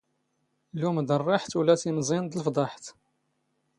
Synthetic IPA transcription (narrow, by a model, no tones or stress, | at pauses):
lumd̪ərˤːɑħt̪wlæt̪imzˤind̪ələfd̪ˤɑħt̪